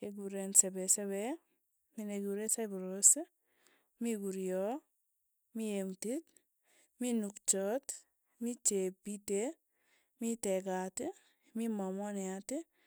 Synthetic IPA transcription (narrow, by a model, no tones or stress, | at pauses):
eɡuɾensɛbesebɛ | mineɡuɾesajbuɾos | miɡuɾijɔ | miemtit | minukt͡ʃɔt | mit͡ʃepite | mitekati | mimamɔniati